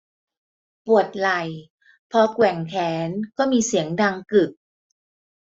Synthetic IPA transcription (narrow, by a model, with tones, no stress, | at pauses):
pu˨˩ət̪̚la˨˩j | pʰɔ˧kwɛ˨˩ŋkʰɛː˩˦nkɔː˥˩miː˧si˩˦əŋda˧ŋkɯ˨˩p̚